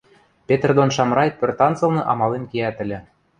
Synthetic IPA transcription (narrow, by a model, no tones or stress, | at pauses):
pʲet̪erd̪onʃɑmrɑjpørt̪ɑnt͡sɤ̆lˠnɤ̆ʔɑmɑlemkeæt̪ɘ̆lʲɘ̆